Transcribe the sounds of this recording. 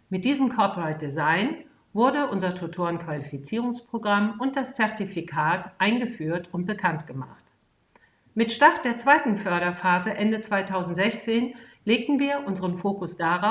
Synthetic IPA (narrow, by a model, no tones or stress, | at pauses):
mɪt̚d̥iːzəmkʰɔɐpʁaɪt̚d̥ezaɪn | vʊɐdəʔʊnzɐtʰutʰoːɐənkv̥alifit͡siːʁʊŋspʁ̥oɡʁamʊnt̚d̥ast͡sɛɐtifikʰaːtʔaɪnɡəfyːɐtʊnt̚b̥əkʰantɡ̥əma̰χt | mɪtʃtaʁt̚d̥eːɐt͡sv̥aɪtn̩fœɐɾɐfaːzəʔɛndət͡sv̥aɪtʰaʊzn̩tz̥ɛçt͡seːnleːk̚tn̩viːɐʔʊnzəʁənfoːkʊsd̥aʁa